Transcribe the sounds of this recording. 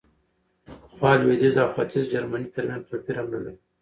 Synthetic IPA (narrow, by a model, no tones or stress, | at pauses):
xwɑːlwed̪ɪzawxat̪ɪzd͡ʒaɾmanit̪əɾmjanzpopiɾamnəwe